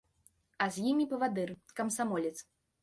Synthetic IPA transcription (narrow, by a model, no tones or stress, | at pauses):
ɐzʲjimʲipɐvad̪ɨrkɐmsamɔlʲɛt̪s